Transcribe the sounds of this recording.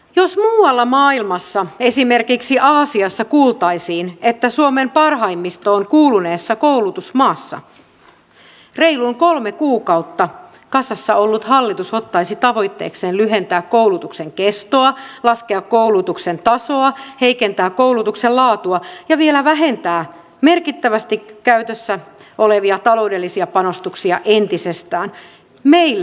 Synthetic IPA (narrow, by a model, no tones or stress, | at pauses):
josmuːwɑlːɑmɑːilmɑsːɑe̞sime̞rkiksiʔɑːsiɑsːɑkuːlt̪ɑjsiːne̞t̪ːæsuome̞mpɑrɦɑjmːist̪oːŋkuːlune̞ːsːɑkowlut̪usmɑːsːɑ̰ | re̞jluŋko̞lmekuːkɑwt̪ːɑ | kɑsɑsːɑo̞lːut̪ɦɑlːit̪uso̞t̪ːɑjsit̪ɑʋo̞jt̪ːeːkse̞ːnlyɦe̞nt̪æːkːowlut̪ukseŋke̞st̪oɑlɑskeɑkːoulut̪uksent̪ɑso̞ɑhe̞ikent̪æːkkowlut̪uksellɑːt̪uɑjɑʋielæʋæɦe̞nt̪æː | me̞rkit̪ːæʋæst̪ikkːæyt̪øsːæʔo̞leʋiɑt̪ɑlo̞wde̞lːisiɑpɑno̞st̪uksiɑʔent̪isest̪æːn | meilː